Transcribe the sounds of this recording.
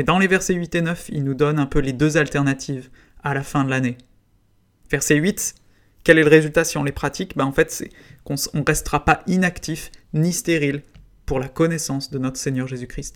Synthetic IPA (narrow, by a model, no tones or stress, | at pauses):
ed̪ɑ̃levɛʁsɛɥit̪enœfilnud̪ɔnɛ̃pøled̪øzalt̪ɛʁnat̪ʰiv | alafɛ̃d̪əlane | vɛʁsɛɥit̪ | kʲɛlɛləʁezylt̪asiɔ̃lepχat̪ikbãɑ̃fɛt̪sɛ | kɔ̃sɔ̃ʁɛst̪əʁapainakt̪ifnist̪eʁil | puʁlakɔnɛsɑ̃sd̪ənɔt̪χə̥seɲjœʁʒezykχist̪